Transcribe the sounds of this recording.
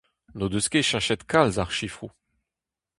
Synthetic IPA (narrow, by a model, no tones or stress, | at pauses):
nod̪øskʲeʃɛ̃ʁʃɛt̪kalzaʁʃifχu